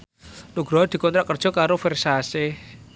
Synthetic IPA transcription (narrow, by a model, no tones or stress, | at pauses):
nuɡ̥ɾɔɦɔd̪̥i̤kɔnt̪ɾaʔkər̥ʒ̥ɔ̤kaɾofɛrsase